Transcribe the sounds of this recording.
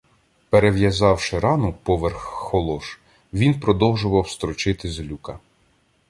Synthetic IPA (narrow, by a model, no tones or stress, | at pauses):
peɾeʋjɐzɑwʃɪɾɑnʊpɔʋerxːɔlˠɔʃ | ʋʲinpɾɔd̪ɔwʒʊʋɐwst̪ɾɔt͡ʃɪt̪ɪzlʲukɐ